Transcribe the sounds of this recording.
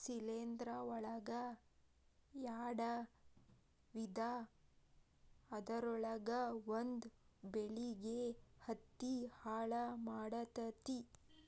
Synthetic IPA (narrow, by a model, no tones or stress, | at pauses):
sileːnd̪ɾɐɔɭɐɡɐ | jaːɽɐ | ʋid̪ʱa | d̪ɐɾɔɭɐɡɐʋond̪beɭiɡehɐt̪ːihaːɭɐmaːɽɐt̪ɐt̪i